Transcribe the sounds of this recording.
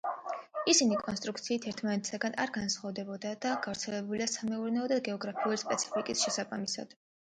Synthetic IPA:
isinikʼɔnst̪ʼɾuk̚t̪sʰiːt̪ʰɛɾt̪ʰmanɛt̪ʰsaɡana̰ɾɡansχavd̪ɛbɔd̪ad̪aɡ̥avɾt̪sʰɛlɛbuliasamɛuɾnɛɔd̪aɡɛɔɡɾapʰiulispʼɛt̪sʰi̥pʰikʼisʃɛsabamisa̰d̪̥

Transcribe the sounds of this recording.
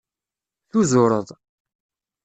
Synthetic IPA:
θuzʊɾˤəðˤ

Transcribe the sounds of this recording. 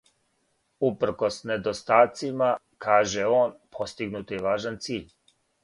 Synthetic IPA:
upr̩kɔsnɛd̪ɔst̪aːt̪sima | kʰaːʒɛɔːnpʰɔst̪iɡnut̪jɛʋaːʒant̪siːʎʲ

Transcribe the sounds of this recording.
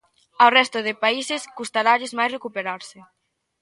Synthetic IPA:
awrɛst̪ʊðɪpaisɪskust̪aɾaʎɪzmajsrekupeɾaɾsɪ

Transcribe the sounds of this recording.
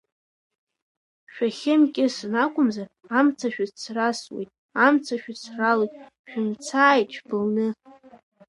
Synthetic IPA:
ʃᶣaχʲɪmkʲʼɪsɨnakʷʼʊmza | amt͡sʰaʃᶣat͡sʰraswejtʼ | amt͡sʰaʃᶣat͡sʰralojtʼ | ʃᶣʊmt͡sʰaːjt͡ʃʰbɨlnɨ

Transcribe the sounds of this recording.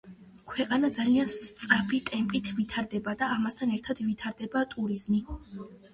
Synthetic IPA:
kʰwɛqʼanad̪zalianst̪sʼɾapʰit̪ʼɛmpʼit̪ʰvit̪ʰaɾd̪ɛbad̪aːmast̪ʰanɛɾt̪ʰad̪̥vit̪ʰaɾd̪ɛbat̪ʼuɾiz̥mi

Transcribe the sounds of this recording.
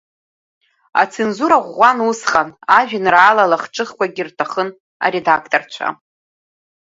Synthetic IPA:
a̰t͡sʰenzuɾaʁʷanusχanaʒᶣɪnraːlalaχʈ͡ʂʼɨχkʷʰaɡʲirtʰaχən | a̰ɾe̞dakʰtʼort͡ʃʷʰa̰

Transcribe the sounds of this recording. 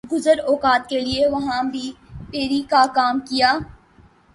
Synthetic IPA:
ɡʊzəɾɔːkaːt̪̚kelieʋɐɦãbʱi | peːɾikakaːmkijaː

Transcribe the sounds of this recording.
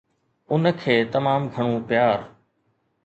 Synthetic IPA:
ʊnəkʰeːt̪ɐmaːmɡʱɐɽ̃ũːpjaːɾ

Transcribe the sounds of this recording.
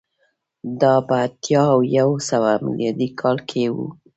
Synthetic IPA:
d̪ɑpəat̪jɑwjawsəwamɪ̰ljɑd̪ikʰɑlkʰewṵ

